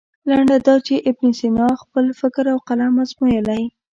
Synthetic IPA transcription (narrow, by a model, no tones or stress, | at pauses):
laɳɖad̪ɑt͡ʃeʔɪbnisinɑxpəlfɪkɾawqalamazmujəlaj